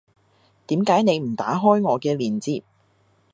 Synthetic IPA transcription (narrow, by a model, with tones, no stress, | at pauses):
t̪iː˨˥mkaː˨˥jne˨˧jm̩˨˩t̪aː˨˥ɦɔː˥jŋɔː˨˧kɛː˧liː˨˩nt͡siː˧p̚